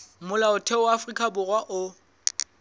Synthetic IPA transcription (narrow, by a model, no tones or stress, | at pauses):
mʊlaʊtʰɛwafrikʼabʊrwaʔʊ